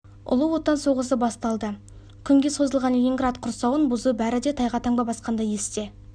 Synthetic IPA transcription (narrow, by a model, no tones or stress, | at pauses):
ʊ̰lˠəwo̞t̪ːɑnso̞ʁəs̬əbɑst̪ɑlˠd̪ə | kʲʰʏŋɡʲe̞so̞zəlˠʁɑnlʲiŋɡrat̪qʰʊɾsɑwənbʊzubæɾɪd̪e̞t̪ʰɑjʁɑt̪ʰɑŋbɑbɑsqɑnd̪ɑje̞st̪e̞